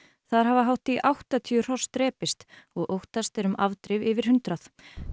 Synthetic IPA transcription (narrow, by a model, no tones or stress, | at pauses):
θaðɾ̥ɦavaɦawht̪iʔawht̪at̪ʰiʏr̥ɔst̪ɾɛːpɪst̪ɔɣʔowht̪ast̪ɛɾʏmʔavt̪ɾɪvɪːvɪɾ̥hʏnt̪ɾaθ